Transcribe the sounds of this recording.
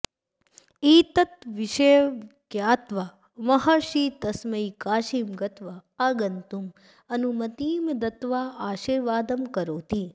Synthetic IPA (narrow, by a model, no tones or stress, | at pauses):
iːt̪ət̪ʋiʃekjaːt̪ʋa | mɐɦaʃiːt̪ɐsməikaːʃimɡɐt̪ʋaaːɡənt̪um | ɐnumɐt̪iːmd̪ɐt̪ʋaaːʃiːɾʋaːd̪əmkɐɾoːt̪iː